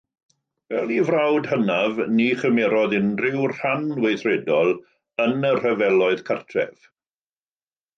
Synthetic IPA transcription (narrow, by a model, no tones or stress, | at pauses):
vɛlˠivrawdhənavniχəmɛɾɔðɪnrɪwr̥anwejθrɛdɔlˠ | ənər̥əvɛlˠɔɨðkʰartʰrɛ̰v̥